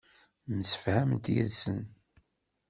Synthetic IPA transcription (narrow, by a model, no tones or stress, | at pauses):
nəsə̥fhæmt̪jḭðsən